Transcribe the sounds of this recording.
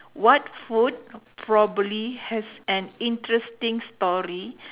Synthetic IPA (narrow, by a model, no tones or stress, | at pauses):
wɔtfut̚pʰɹɔbəblihɛsɛ̃nĩntɹɛstĩŋstɔɹi